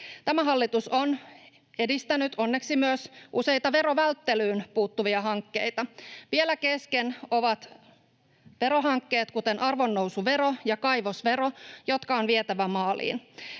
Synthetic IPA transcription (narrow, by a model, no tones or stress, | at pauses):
t̪æmæɦɑlːit̪uson | e̞dist̪ænyt̪o̞nːe̞ksimyøsʔuse̞jt̪ɑʋe̞ɾo̞ʋælt̪ːelyːnpuːt̪ːuʋiɑɦɑŋkːe̞̰jt̪ɑʋielækeskeno̞ʋɑt̪ | ʋe̞ɾo̞ɦɑŋkːe̞ːt̪kut̪enʔɑrʋo̞nːousuʋeɾojɑkɑjʋo̞sʋe̞ɾojo̞t̪kɑonʋiet̪æʋæmɑːlḭːn